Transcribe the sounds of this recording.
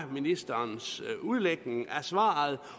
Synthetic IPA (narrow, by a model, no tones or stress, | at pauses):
minisd̥ɐnsuð̞ˠleɡ̥ne̝ŋæɐsʋɑ̰̈ːð̩ˠ